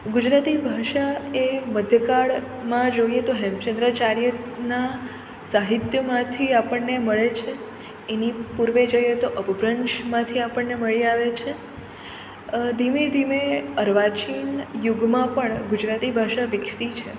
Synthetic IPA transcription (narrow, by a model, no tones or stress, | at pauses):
ɡud͡ʒɾat̪ibʱaʃaeməd̪ʱjəkaɭ | mãd͡ʒojet̪oɦɛmt͡ʃə̃nd̪ɾət͡ʃaɾjəna | saɦit̪jəmãt̪ʰiapəɳːeməɭet͡ʃʰe | enipuɾʋed͡ʒəjet̪oʔəbbɾənʃmãt̪ʰiapəɳːeməɭiaʋet͡ʃʰe | d̪ʱimed̪ʱimeəɾʋat͡ʃinjuɡmãpəɳɡud͡ʒɾat̪ibʱaʃaʋɪkʂt̪it͡ʃʰe